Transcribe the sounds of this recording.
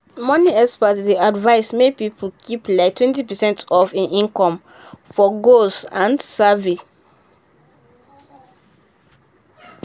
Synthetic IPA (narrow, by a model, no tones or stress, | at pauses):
mɔniɛspatdiadvaɪsmepipʰəlkʰiplaɪk̚tʰwɛ̃ntipɛsɛ̃ntɔvãnʔĩnkɔ̃m | fɔɡosãnsavi